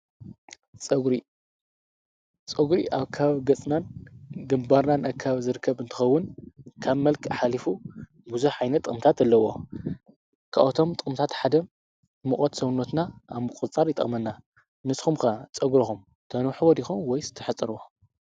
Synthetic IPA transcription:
t͡sʼɐɡɾi | t͡sʼɐɡɾiʔaβkʰaaβaβɡɐt͡sʼnanɡɨmbaɾnanɐkʰːaβzɨɾɨkʰːɐβɨnt̪ʰɨ̥xɐwːʊnkʰaβmɐlkʰħalifu | buzuħajnɐt̪ʼɨχʼmt̪ʰat̪alːɐwo̞ | kʰa̰ʔot̪ʰomt̪ʼɨkʼɨmt̪ʰat̪ħad̪ɐ | mɨχʼot̪sɐwnot̪naaβmɨkʼɨt͡sʼaɾjɪt̪ʼɐ̰χʼmɐnːa | nɨsxumkɐt͡sʼɐɡɾixum | t̪ʰɐnuħwɔd̪ixumwɔjzɨ̥t̪ʰɐħɨt͡sʼːɨɾwo

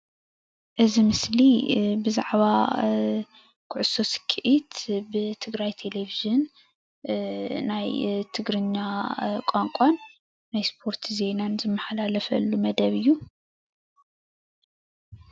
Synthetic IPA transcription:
ʔɨzimɨslibɨzaʕβa | kʰʊʕʊso̞skʰɨʔit̪bɨt̪ʰɨɡɾajt̪ʰe̞leviʒɨn | najt̪ʰɨɡɾɨɲːakʼaŋkʼanː | ajspʰo̞ɾt̪ʰze̞nanzɨmːɐħalalɐfɐ̰lːumɐd̪ɐβɨjːu

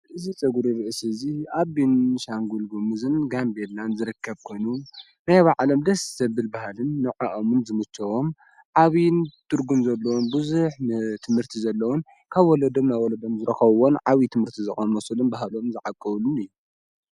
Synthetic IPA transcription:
ʔɨzit͡sʼɨɡuɾiɾɨʔɨsziaβinʃaŋɡulɡumuzɨnɡambelanzɨɾɨkʰːɐβkʰo̞jnu | najβaʕlomd̪ɐssɐβɨlbahalɨnːɨʕaʔɐmɨnzɨmɨt͡ʃːɐwom | ʕaβint̪ʰɨɾɡumzɐlːɐwonbɨzuħnt̪ʰɨmhɨɾt̪ʰizɐlːɐwon | kʰaβwɔlɐd̪omnajwɔlɐd̪omzɨɾɐxɐβwonʕaβit̪ʰɨmhɨɾt̪ʰizɨχʼɐnmɐsulunbaɦalomzɨʕakʼːɐβɨlunɨjːu

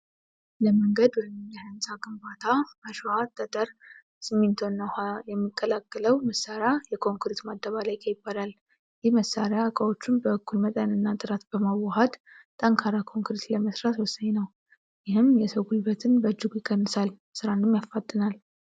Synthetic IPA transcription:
ləməŋɡəd̪wɔmmjɛhansʼaɡɨmbat̪ʰaməʃat̪ʼːət̪ʼəɾ | sɨmːent̪ʰonːaajɛmːikʼːəlakʼːələwməsːaɾjajɛkʰo̞ŋkɾit̪mad̪ːəβalajkʰʼəjɪbːaɾal | jɪhməsːaɾjakʼəwo̞t͡ʃːunbəɨkʰːulmət̪ʼənɨnːat̪ʼɨɾat̪bəmawɔɦad̪ | t̪ʼəŋkʰaɾakʰo̞ŋkɾit̪ləməsɾat̪wɔsːaɲnəw | jɪhɨmjɛsəwɡulbət̪ʰɨnbəd͡ʒːɨɡujɪkʼːənːɨsal | sɨɾanɨmjafːat̪ʼːɨnal

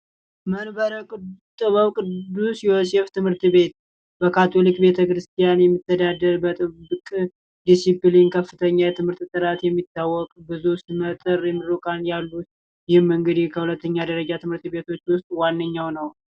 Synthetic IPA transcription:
mənbəɾəkʼɨt̪ʼɨβəwkʼɨd̪ːusjoseft̪ʰɨmhɨɾt̪be̞t̪̚ | bəkʰat̪ʰo̞likʼbe̞t̪ʰəkɾɨst̪ʰijanjɛmːɨt̪ːəd̪ad̪əɾbət̪ʼɨbɨkʼ | d̪isiplinkʰəfːɨt̪ʰəɲːajɛt̪ʰɨmhɨɾt̪t̪ʼɨɾat̪jɛmːit̪ːawːɔkʼbɨzusimət̪ʼɨɾjɛmːɨɾukʼanjalːut̪ | jɪhɨmɨŋɡɨd̪ihkʰəhulət̪ːəɲːad̪əɾəd͡ʒat̪ʰɨmhɨɾt̪be̞t̪ʰo̞t͡ʃːwʊst̪ʼwanːəɲːawnəw

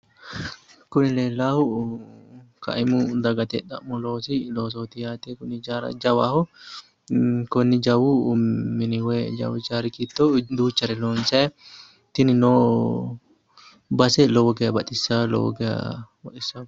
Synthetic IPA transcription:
kʊnɪleːlːaːhʊ | kɐ̰ʔɪmʊd̪ɐɡɐt̪ɛd̪ɐ̰ʔmːʊlo̞ːsɪloːs̬oːt̪ɪjaːt̪ekʊnɪd͡ʒaːɾɐ̰d͡ʒɐwa̰ːhʊ | kɔnːɪd͡ʒɐwʊːɪnɪwed͡ʒɐ̰wɪd͡ʒaːɾɪkit̪ːod̪uːt͡ʃːɐɾɛloːnsɐ | t̪ːɪnɪnoː | bɐsɛlɔwɔɡɛjɐbɐt̪ɪsːalɔ̰wɔ̰ɡɛjɐ̰bɐt̪ʼɪsːa

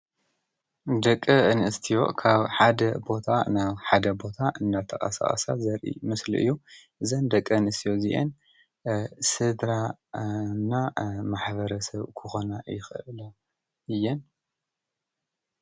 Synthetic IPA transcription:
d̪ɐkʼːɨɨnʔɨst̪ʰijo̞̰kʰaβħad̪ɐbo̞t̪ʰanaβħad̪ɐbo̞t̪ʰaʔɨnd̪at̪ʰɐxʼɐ̰sa̰χʼɐ̰sa̰zɐɾʔḭmɨsliʔɨ̰jːuʔɨzɐnd̪ɐkʼːɐɨnɨst̪ʰijo̞ziʔḛn | sɨd̪ɾa | nːamaħβɐɾɐsɐβkʰɨxo̞najɪxɨʔɨlɐ | ɨjːɛn

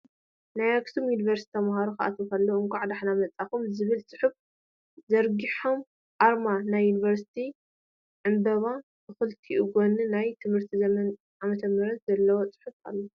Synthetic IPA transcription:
najaɡsomjuniβɐɾst̪ʰi̥t̪ʰɐmhaɾoxɨʔa̰t̪ʰkɐlːoɨŋkʷʼaʕd̪aħnamɐt͡sʼakumzɨβɨlsʼɨ̥ħuf | zɐɾɡiħom | ʔaɾmanajːuniβɐɾsi̥t̪ʰi | ʕɨmbɐβa | bɨxɨlt̪ʰiʔuɡonɨnajt̪ʰɨmhɨɾt̪ʰizɐmɐn | ʔamɐt̪ʰɐmɐɾɐt̪zɐlːɐwot͡sʼɨ̥ħufa̰lːo

